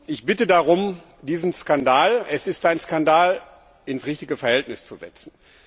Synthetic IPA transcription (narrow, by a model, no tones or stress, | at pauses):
ʔɪçb̥ɪtədaʁʊm | diːzn̩skandaːlʔɛsɪstʔaɪnskandaːl | ɪnsʁɪçtɪɡəfɛɐhɛltnɪst͡suzɛ̰t͡sn̩